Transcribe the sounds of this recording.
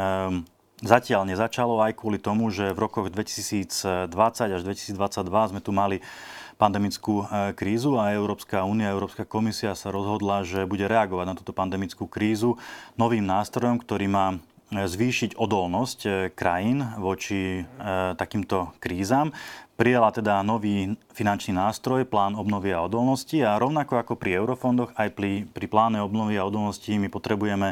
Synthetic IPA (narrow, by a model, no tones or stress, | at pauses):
zacɪaʎɲɛzat͡ʃalɔajkʊɔlit̪ɔmuʒɛvɾɔkɔɣd̪ʋɛci̥siːd͡zd̪ʋat͡saɟaʒd̪ʋɛci̥siːd͡zd̪ʋat͡saɟd̪ʋazmɛt̪umalipand̪ɛmit͡skuːkɾiːzuaɛʊɾɔːpskauːniaɛʊɾɔːpskakɔmisiasaɾɔzɦɔd̪laʒɛbuɟɛɾɛaɡɔʋaɟnat̪uːt̪ɔpand̪ɛmit͡skuːkɾiːzunɔʋiːmnaːst̪ɾɔjɔmkt̪ɔɾiːmaː | zʋiːʃiɟɔd̪ɔlnɔsckɾajinʋɔt͡ʃi | t̪akiːmt̪ɔkɾiːzaːmpɾijalat̪ɛd̪anɔʋiːfinant͡ʃniːnaːst̪ɾɔjplaːnɔbnɔʋiaɔd̪ɔlnɔsciaɾɔʊnakɔakɔpɾiɛʊɾɔfɔnd̪ɔɣajpɾipɾiplaːnɛɔbnɔʋiaɔd̪ɔlˠnɔscimipɔt̪ɾɛbujɛmɛ